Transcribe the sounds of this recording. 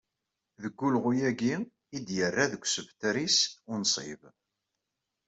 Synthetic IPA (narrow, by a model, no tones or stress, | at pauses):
ðəɡːulʁujæɡi | id̪jərːaðəkʷːsəvt̪ɾisʊnsˤɪ̰v